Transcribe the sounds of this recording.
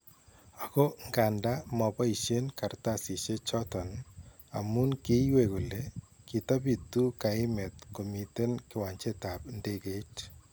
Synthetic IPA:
a˨ko˦ŋɡa˨nda˦mɔ˨pɔ˦i˨ʃe˦nka˨ɾtasi˨t͡ʃe˦t͡ʃɔ˦tɔ˨n | a̰˨mu˦nke˦iweku˨lekita˦pi˨t̪u˦ka˨ɪ˦mɛ˨t̪̚ko˨mi˨te˦nkɪ˦wa˨ɲt͡ʃe˦tapndeɡe˦t

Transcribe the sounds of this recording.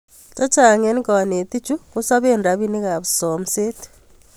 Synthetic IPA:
tɔ˦t͡ʃa˨ŋe˦n˦kɔ˨ne˨t̪i˦t͡ʃu˦ku˦sa˦βe˦˨nda˨βi˦ni˦ka˨βsɔ˨mse˦t

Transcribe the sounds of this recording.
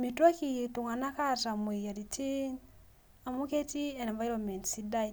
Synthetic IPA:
mi˨twa˦ki˨i˨tu˨ŋa˨na˦ka˦ta˨m˨e˨ja˨ɾi˨ti˦n | a˨mu˦ke˦ti˦ɛ˨nɛ˨va˦jɾɔ˨nmɛ˨ntsi˦da˦j

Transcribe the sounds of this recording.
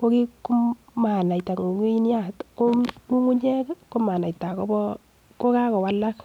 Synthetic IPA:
ko˦ki˦ku˦ | ma˨na˨i˨ta˨ŋo˨ŋi˦i˦n˦a˦˨tko˦mu˦ŋu˦ɲɛ˦kko˦ma˨na˨ita˨ko˦bɔ˦ | ko˦ka˦kɔ˨wa˦la˦k

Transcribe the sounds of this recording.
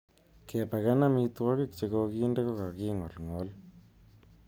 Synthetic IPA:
kɛ˨pa˨ka˦na˦mi˧twɔ˦kɪ˦k̚t͡ʃe˨ko˧ki˦nde˦kɔ˦ka˨ki˦ŋɔ˨lŋɔ˨˦l

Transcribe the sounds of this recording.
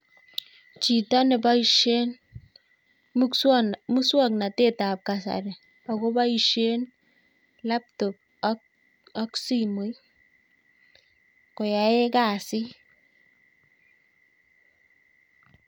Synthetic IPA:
t͡ʃi˨ta˦nɪ˨ba˦iʃe˦n | mu˦swa˨kna˨te˦˨ta˨p̚ka˨sa̰˨ɾɛ˨ | a˨ko˦ba˦i˨ʃe˦n | la˦p̚tʊ˨k̚ | a˦ksi˦mu˨˦j | ko˨ja˨e˦ka˨sɪ˦

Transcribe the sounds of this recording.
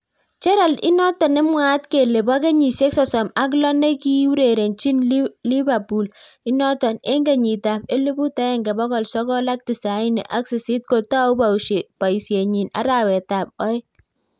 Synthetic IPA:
t͡ʃɛ˦ɾa˨lɪ̰˦nɔ˦tɔ˨nɪ˦mwa˦tke˨le˨ba˦k̬e˦ɲi˨sje˦ksɔ˨sɔ˨ma˦k̬lɔ˦ne˦ki˦u˦ɾe˨ɾe˨nt͡ʃi˦nli˦βa˨pu˨l | i˦nɔ˦tɔ˨ne˦ŋɡe˨ɲi˨ta˨pe˦le˦bu˦ta˦ɛ˦˨ŋɡɛ˨bɔ˦kɔ˨lsɔ˦kɔ˦la˦k̚ti˨sa˨˦ɪ˦nɛ̰˨ʔa˦ksi˨si˦t̚ko˨ta˦u˦bapa˨i˨sje˨ɲi˨na̰˦ɾa˨wɛ˨ta˨p̚ɔ˦ɪ˦

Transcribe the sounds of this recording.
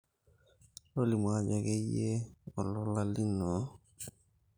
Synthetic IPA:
lo˦li˨m˨a˦d͡ʒa˨ɡɛ˦je˦ɔ˨lɔ˨la˦li˦nɔ˨˦

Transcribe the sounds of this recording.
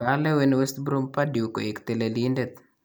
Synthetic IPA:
alɛ˦we˦nwe˦st̪bɾu˦mpadju˨ko̰˨ɪ˨kt̪e˨lelindet̪̚

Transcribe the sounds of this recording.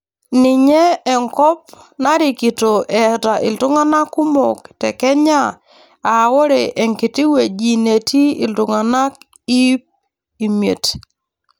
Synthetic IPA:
nɪ˨ɲɛː˦˨ŋkɔ˦p̚ | na˦ɾi˨ki˨to˨ʔɛ˨ta˨ʔɪ̰˨ltʊ˦ŋa˦na˦ku˦mo˨ktɛ̰˨kɛ˦ɲa˦˨ | a˨wɔ˦ɾe˨ʔɛ˨ŋkɪ˨ti˦we˨d͡ʒi˨ne˨tʰi˦i˨ltʊ˨ŋa˨na˦k̚ | i˦p̚ | i˨mje˨t

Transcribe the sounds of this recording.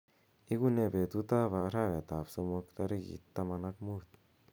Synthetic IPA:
i˦ɡu˦ne˧be˨t̪u˦t̪a˦βa˨ʔɾa˦βe˨t̪a˨bso˧mo˧kt̪a˧ɾe˦ɡḭ˨t̪ːa˧ma˧na˦kmu˦t̪

